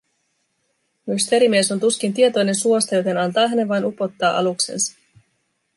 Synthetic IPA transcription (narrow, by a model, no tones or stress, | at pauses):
myst̪e̞ɾimie̞so̞nt̪uskint̪̬ie̞t̪o̞jne̞nsuo̞st̪ɑjo̞t̪e̞nɑnt̪ɑːɦæne̞ʋʋɑjnupo̞t̪ːɑːʔɑ̰lukse̞̰nsɑ̥